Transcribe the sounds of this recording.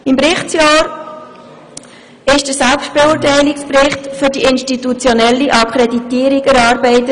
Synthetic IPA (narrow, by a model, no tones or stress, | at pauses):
ɪmpɾɪχtt͡sjɑːɾ | ɪʃd̥əsɛlpsʃt̚b̥eʊːtæɪlɪkspɾɪχtfʏɾdiɪnstitut͡sjonɛlːiʔɑkʰχɾeditiːɾiɡəɾɑːɾbɛɪtə